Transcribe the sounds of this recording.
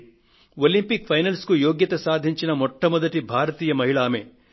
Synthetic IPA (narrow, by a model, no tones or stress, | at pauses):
olimpik̚pʰɐjnɐlskujoːɡjɐt̪ɐsaːd̪ʱiɲt͡ʃinɐmɔʈːɐmɐd̪ɐʈibʱaːɾɐt̪iːjɐmɐɦiɭaːme